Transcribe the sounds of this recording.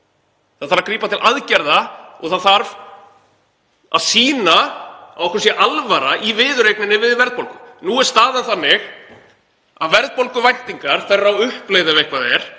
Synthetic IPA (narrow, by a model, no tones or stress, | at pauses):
θaðθaɾakɾiːpat̪ʰɪlʔaðcɛɾðaɔ̰ɣθaðθaɾv | a̰ðsiːnaawɔhkɾsjɛʔalvaɾaʔivɪːðʏɾejknɪnːɪvɪðvɛɾðpolkʏmnuːɛɾ̥st̪aːðanθanːɪx | aðvɛɾðpolkʏvajn̥t̪iŋkaɾ̥θɛrːawʏhpleːjðɪvejhkvaðɛɾ̥